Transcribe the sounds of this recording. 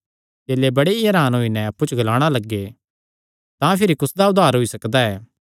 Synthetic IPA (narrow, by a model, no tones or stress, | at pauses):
d͡ʒeːlebɐɽeiɐɾaːnɦoːinɛɐpːut͡ʃʰɡɐlaːɽ̃alɐɡːe | t̪ãpʰɪɾikʊsd̪aʊd̪ʱaːɾɦoisɐkd̪aɛː